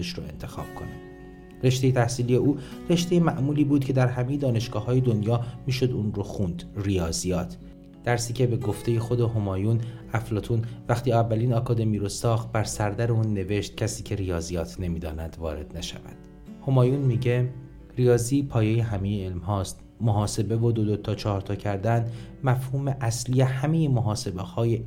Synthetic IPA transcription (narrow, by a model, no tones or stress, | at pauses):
eʃɾo̰e̞̰nt̪ʰe̞xɒ̰ːb̥̚kʰonæd̪̥ | re̞ʃt̪e̞jet̪ʰæhsiːlijeuːre̞ʃt̪ejemæʔmuːliːbuːd̪̥cʰe̞d̪æɾɦæmeje̞d̪ɒːne̞ʃɡ̥ɒːɦɒːjed̪onjɒːmiːʃo̞d̪uːnɾoxuːnd̪rijɒːzijɒːt̪ʰ | d̪̥æɾsiːcʰʲe̞be̞ɡo̞ft̪e̞je̞xo̞d̪eɦomɒːjun | æflɒːt̪ʰuːnvæxt̪iːævːæliːnɒːkʰɒːd̪e̞miːɾosɒːxt̪̚bæɾsæɾd̪æɾeuːnːe̞ve̞ʃt̪̚cʰæsiːcʰe̞ɾijɒːzijɒːt̪ʰne̞miːd̪ɒ̰ːnæd̪̥vɒ̰ːɾe̞̰d̪̥næʃævæ̰d̪̥ | ho̞mɒːjunmiːɟe̞ | rijɒːziːpʰɒːjejeɦæme̞jeːlmɦɒːst̪ | moɦɒːse̞be̞vod̪od̪ot̪ʰɒːt͡ʃʰɒːɾt̪ʰɒːcʰæɾd̪ænmæfhuːme̞ʔæsliehæme̞jemoɦɒːse̞behɒːje